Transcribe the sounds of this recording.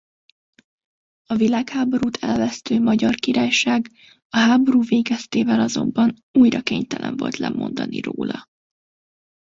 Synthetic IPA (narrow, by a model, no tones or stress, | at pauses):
ɒvilaːkhaːbo̞ɾuːt̪ʰɛlvɛst̪øːmɒɟɒrkiɾaːjʃaːɡ | ɒɦaːbo̞ɾuːveːɡɛst̪eːvɛlɒzo̞̰mbɒn | uːjrɒkeːɲt̪ɛlʔɛ̰ɱvo̞̰lt̪lɛ̰mo̞nd̪ɒnḭro̰ːlɒ